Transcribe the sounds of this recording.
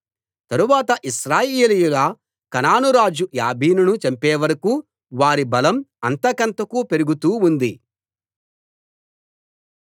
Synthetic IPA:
t̪ɐɾuʋaːt̪ɐʔiʃɾaːjeːlijulɐ | kɐnaːnuɾaːd͡ʒuja̰ːbʱiːnunut͡ʃɐmpeːʋɐɾɐkuː | ʋaːɾibɐlɐmɐnt̪ɐkɐnt̪ɐkuːpe̞ɾuɡut̪uːund̪i

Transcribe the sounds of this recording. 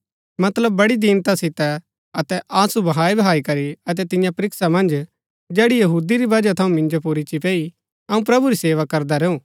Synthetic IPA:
mɐt̪ləbːɐɽid̪iːnt̪asɪt̪ɛ | ɐt̪ɛʔaːsubɐɦaːibɐɦaːikɐɾiɐt̪̬ɛt̪ɪ̃jãpɐɾɪksamɐ̃nd͡ʒ | d͡ʒɛːɽijɐɦuːd̪iɾibɐd͡ʒat̪ʰɐũmɪ̃nd͡ʒop̬uɾit͡ʃipɛːi | ɐũp̬ɾɐbuɾiseːʋakɐɾd̪aɾɛːũː

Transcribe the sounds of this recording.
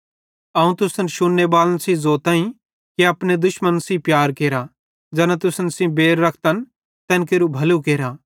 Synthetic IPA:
ɐũt̪ʊsənʃʊnːebaːlənsĩzoːt̪ãːĩ | keɐpned̪ʊʃmənsĩpjaːɾkeːɾa | d͡ʒɛːnãt̪ʊsənsĩbeːɾːɐkʰt̪ən | t̪ɛːnkeːɾubʱɐlukeːɾaː

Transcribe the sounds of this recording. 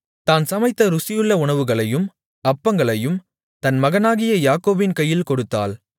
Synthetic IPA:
t̪aːnsɐmɐɪt̪ːɐɾʊsɪjɯɭːɐʊɳɐʋɯɣɐɭɐjɯm | ɐpːɐŋɡɐɭɐjɯm | t̪ɐnmɐɣɐnaːɣɪjɐjaːkoːbɪnkɐjːɪlkɔɽɯt̪ːa̰ːl

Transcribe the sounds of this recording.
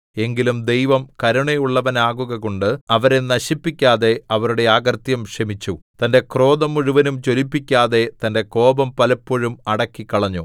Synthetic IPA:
e̞ŋɡilumd̪e̞jʋɐmkɐɾuɳejuɭːɐʋɐnaːɣuɣɐɣoɳɖɨɐʋɐɾe̞nɐɕipːikʲːaːðe̞ɐʋɐɾuɽe̞aːɣɐrt̪jɐmʂɐmit͡ɕːut̪ɐnde̞kro̞ːðɐmuɻuʋɐnumt͡ɕo̞lipːikʲːaːðe̞t̪ɐnde̞ko̞ːbɐmpɐlɐpːoɻumɐɽɐkːikːɐɭɐɲːu

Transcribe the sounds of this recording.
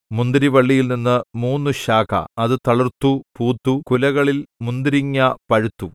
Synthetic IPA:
mund̪iɾiʋɐɭːijilninːɨmuːnːuɕaːkʰɐ̰ɐðɨt̪ɐɭirt̪ːupuːt̪ːukulɐɣɐɭilmund̪iɾiŋːɐpɐɻut̪ːu

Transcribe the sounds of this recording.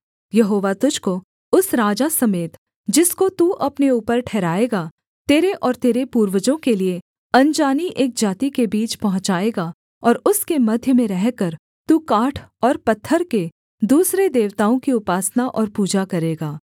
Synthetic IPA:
jɐɦoːʋat̪ʊd͡ʒko | ʊsɾaːd͡ʒasɐmeːt̪ | d͡ʒɪskot̪uːʔɐpneuːpəɾʈʰɛːɾaːeːɡa | t̪eːɾeʔɔːɾt̪eːɾepuːɾwəd͡ʒõkelie | ɐ̃nd͡ʒaːniʔeːk̚d͡ʒaːt̪ikebiːt͡ʃpɐɦʊ̃t͡ʃaːeːɡa | ɔːɾʊskemɐd̪ʱjəmẽɾɛɦkəɾ | t̪uːkaːʈʰɔːɾpɐt̪ʰːəɾke | d̪uːsɾed̪eːʋt̪aːõkiʊpaːsnaʔɔːɾpuːd͡ʒakɐɾeːɡaː

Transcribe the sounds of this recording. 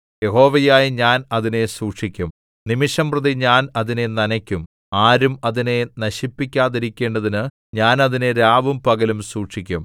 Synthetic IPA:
je̞ɦo̞ːʋɐjaːjiɲaːnɐðine̞suːʈʂikʲːum | nimiʂɐmprɐðiɲaːnɐðine̞nɐnɐkʲːum | aːɾumɐðine̞nɐɕipːikʲːaːðiɾikʲːe̞ːɳɖɐðinɨ | ɲaːnɐðineɾaːʋumpɐɣɐlumsuːʈʂikʲːum

